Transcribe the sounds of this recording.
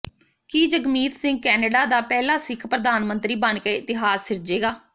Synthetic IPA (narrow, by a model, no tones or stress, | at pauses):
kiːd͡ʒəɡmiːt̪sɪ̃ŋɡ̚kɛːnəɖaːd̪aːpɛːlaːsɪkʰpɾəd̪aːnmənt̪ɾiːbənkeːɪt̪ɪɦaːsːɪɾd͡ʒeːɡaː